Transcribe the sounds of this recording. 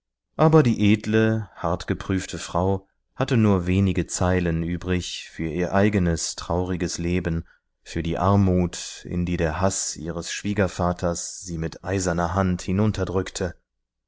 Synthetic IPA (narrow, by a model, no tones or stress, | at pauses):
ʔaːbɐdiːʔeːdləhaɐtɡ̥əpʁ̥yːftʰəfʁ̥aʊ | hatənuːɐveːnɪɡət͡saɪlənʔyːbʁɪçfyːɐʔiːɐʔaɪɡənəstʁ̥aʊʁɪɡəsleːbən | fyːɐdiːʔaɐmuːtʔɪ̰ndiːdeːɐɦasʔḭːʁəsʃv̥iːɡɐfaːtʰɐsz̥iːmɪtʔaɪzɐnɐɦanthɪnʊntʰɐdʁʏktʰə